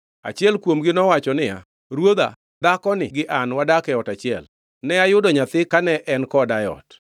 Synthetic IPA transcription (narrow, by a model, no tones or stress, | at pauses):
a̰t͡ʃjɛlkwomɡɪnɔwat͡ʃɔnɪja̰ | ɾwod̪a̰ | d̪akɔnɪɡɪʔanwadakɛɔtat͡ʃɪɛl | nɛajʊdɔɲat̪ɪkanɛʔɛnkɔdajɔ̰t